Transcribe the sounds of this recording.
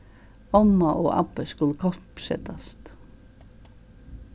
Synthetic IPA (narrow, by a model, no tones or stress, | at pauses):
ɔmːɑʔo̰ːʔɑ̰pəskʉləkʰɔpsɛ̰t̪ʰɑst̪